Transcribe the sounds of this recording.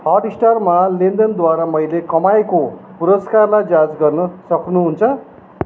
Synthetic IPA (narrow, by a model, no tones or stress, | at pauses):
hʌɖisʈarmalind̪ʌnd̪waɾamʌjlekʌmaekopuɾʌskarlajd͡zad͡zɡʌrnʌsʌknuɦunt͡sʰʌ